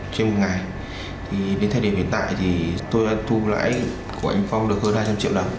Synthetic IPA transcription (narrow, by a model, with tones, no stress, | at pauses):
t͡ɕe˧nmo˨˩t̚ŋa˨˩j | t̪ʰi˨˩ɗe˨˦nt̪ʰa˧jɗi˨˩ə˩vḭ˧˨ənt̪a̰ː˧˨jt̪ʰi˨˩t̪o˧jɗa̰ː˧˥t̪ʰu˧la̰ː˧˥j | ko˧˩ʔa̰˧˩jŋ̟fa˧wŋ͡mɗɨ˨˩ək̚həː˧nhaː˧jt͡ɕa˧mt͡ɕi˧˨wɗə˨˩m